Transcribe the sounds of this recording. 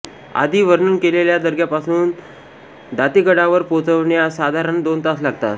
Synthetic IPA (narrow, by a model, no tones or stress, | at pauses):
a̰d̪ʱiːʋəɾɳuːnkeleljad̪əɾɡʱjapasuːn | d̪at̪iɡəɽaʋəɾpot͡səʋɳjasad̪ʱaɾənd̪ont̪aslaɡt̪a̰t̪